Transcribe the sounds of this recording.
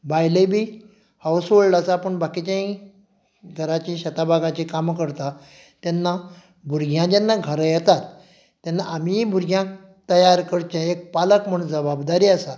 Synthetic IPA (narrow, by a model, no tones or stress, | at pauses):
bajləbʱiː | hawsʋoɭlasaːpəɳbakit͡ɕãĩ | ɡʱəɾat͡ɕiɕət̪abʱaɡãt͡ɕikamkəɾt̪a | t̪janːa | bʱuɾɡʱjãd͡ʑɛnːaɡʱəɾəjɛt̪at̪ː | janːaʔamibʱuɾɡʱjã | t̪əjaɾkəɽt͡ɕaek̚paləkm̤əɽd͡zəbabd̪aɾiːasa